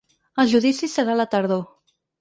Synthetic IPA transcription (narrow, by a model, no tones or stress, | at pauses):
əlˠʒuðisisəɾalət̪əɾðo